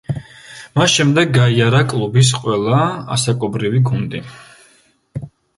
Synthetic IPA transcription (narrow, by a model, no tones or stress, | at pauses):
masʃɛmd̪ɛɡːaiaɾakʼlˠubis̬qʼwɛlˠaa̰sakʼɔbɾiviɡund̪i